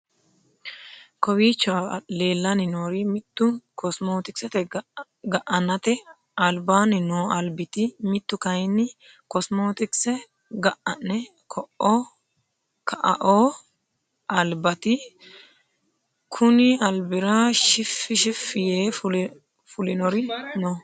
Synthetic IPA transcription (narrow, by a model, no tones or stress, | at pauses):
kɔwiːt͡ʃːale̞ːlːɐnɪnoːɾɪmɪt̪ːʊkɔsmoːt̪ɪksɛt̪ɛ | ɡɐʔɐnɐt̪ɛ | ɐlbaːnɪnoːɐlbɪt̪ɪmɪt̪ːʊkɐjnɪ | kɔsmoːt̪ɪksɛ | ɡɐʔɐnːɛ | kʰɔʔɔ | kʰɐʔɐ̰ʔoː | ɐlbɐt̪ɪ | kʰʊnɪɐlbɪɾɐʃɪfːɪʃɪfːɪjeːʊ | fʊlɪnɔɾɪnɔ